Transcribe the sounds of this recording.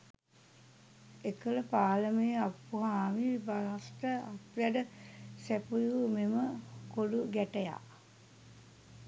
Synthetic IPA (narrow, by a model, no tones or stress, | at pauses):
ekələpaːləmejapːuɦaːʋibalast̪əapʋæɖəsæpujumeməkoluɡæʈəja̰